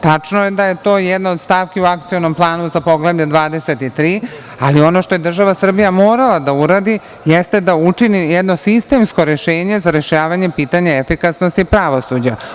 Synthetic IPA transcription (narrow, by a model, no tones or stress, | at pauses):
t̪at͡ʂnojed̪aje̞t̪o̞ːjɛd̪naod̪st̪aːʋkʲiuakt̪sio̞no̞mplˠaːnuzapo̞ɡlebʎed̪ʋaːd̪e̞se̞t̪it̪ɾiː | alio̞no̞ʃt̪o̞je̞d̪r̩ʒaʋasr̩bijamoːɾalˠad̪auɾad̪i | jest̪e̞d̪aut͡ʂinijɛd̪no̞sist̪e̞msko̞ɾe̞ʃeːɲe̞zaɾeʃaːʋaɲe̞piːt̪aɲeefikasnost̪ipɾaʋo̞sud͡ʑa